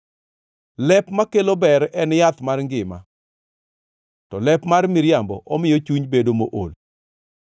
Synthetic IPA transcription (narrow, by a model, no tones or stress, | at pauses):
lɛpmakelobɛɾɛnjat̪marŋɡɪma̰ | tɔlɛpmarmɪɾjambɔ̰ʔɔmɪjɔt͡ʃuɲbedomoʔol